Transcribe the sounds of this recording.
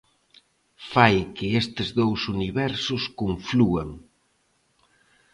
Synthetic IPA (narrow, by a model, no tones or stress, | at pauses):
fajkɪest̪ɪzðowsuniβɛɾsʊskuɱfluɐŋ